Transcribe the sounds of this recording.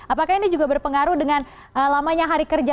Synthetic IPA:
apakainid͡ʒuɡabərpəŋaɾuhdəŋan | əlamaɲaɦaɾikərd͡ʒa

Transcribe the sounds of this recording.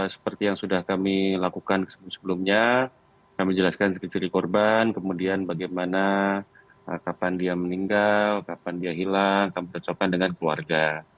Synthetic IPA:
sə̥pərt̪ijaŋsudahkamilakukanksəbmsəbəlumɲa | kamid͡ʒəlaskansəkit͡ʃiɾikɔrbankəmudianbaɡajmana | əkapandiaməniŋɡalkapandiaɦilaŋkamitɔt͡ʃokandəŋankəlua̰rɡa

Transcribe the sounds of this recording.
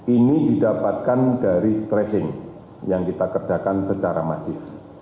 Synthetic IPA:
inididapat̪̚kandaɾist̪ɾɛsɪŋ | jaŋkit̪akərd͡ʒ̥akansət͡ʃaɾa̰ma̰sɪf

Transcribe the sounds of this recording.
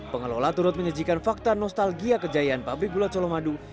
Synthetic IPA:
pəŋəlo̰lat̪uɾʊt̪̚məɲəd͡ʒikanfak̚t̪anɔst̪alɡiakəd͡ʒaianpabɾik̚ɡulat͡ʃɔlomadu

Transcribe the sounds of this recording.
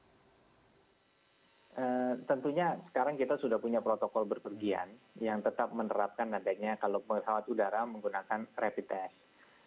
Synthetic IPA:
ʔət̪ənt̪uɲasə̥kaɾaŋkit̪asudahpuɲapɾot̪okɔlbərpərɡia̰njaŋt̪ət̪ap̚mənəɾap̚kanadaɲakaloməɦawat̪udaɾaməŋɡunakanrapit̪ɛs

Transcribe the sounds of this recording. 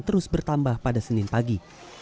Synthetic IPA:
t̪əɾʊsbərt̪ambahpadasənɪnpaɡi

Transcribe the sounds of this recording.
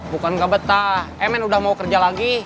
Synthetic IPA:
bukanɡabət̪aɛmɛnudahmaukərd͡ʒalaɡi

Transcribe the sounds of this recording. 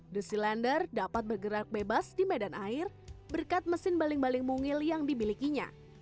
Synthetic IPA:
dəsilɛndərdapat̪̚bərɡəɾak̚bebasdimedanʔaɪr | bərkat̪̚məsɪnbalɪŋbalɪŋmuŋɪljaŋdibilikiɲa̰

